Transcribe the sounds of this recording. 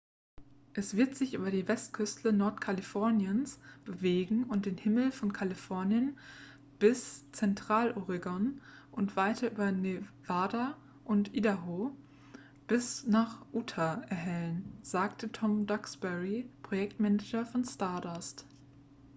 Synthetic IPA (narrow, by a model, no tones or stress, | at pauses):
ʔɛsv̥ɪɐtz̥ɪçʔy̰ːbɐdiːvɛstkʰʏstʰlənɔɐtkʰalifɔɐnjənsb̥əveːɡŋ̩ʊnt̚d̥eːnhɪml̩fɔnkʰalifɔɐnjən | b̥ɪst͡sɛntʁ̥aːlʔɔʁɪɡɔn | ʔʊntv̥aɪtʰɐʔyːbɐnevaːda | ʔʊntʔiːdaɦo | b̥ɪsnaːχʔuːtʰaɛɐɦɛlənz̥aːktətʰɔmdɔksb̥ɛʁipʁ̥ojɛktmɛnɛd͡ʒɐfɔnstaɐdast